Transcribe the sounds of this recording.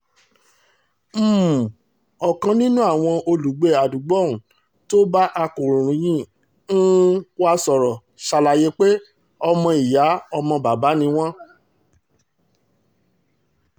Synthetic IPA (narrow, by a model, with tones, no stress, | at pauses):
m̩ː˦˨ | ɔ˨kã˧nĩ˦nũ˦a˦˨w̃ɔ̃˧o˧lu˨ɡ͡be˨a˨du˨ɡ͡bɔ˦˨ũ˨ | to˦ba˦ʔa˧kũ˨ɾ̃ũ˨ɾũ˨˦j̃ĩ˦ | n̩˦wa˦sɔ˨ɾɔ˨ | ʃa˧la˨je˦k͡pe˦ | ɔ˧mɔ̃˧i˨ja˨˦ɔ˧mɔ̃˧ba˨ba˨˦nĩ˧w̃ɔ̃˦